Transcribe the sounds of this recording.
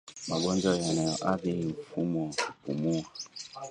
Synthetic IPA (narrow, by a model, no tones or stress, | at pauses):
maɡɔnd͡ʒɔjanajɔʔaðiɱfumɔkupumua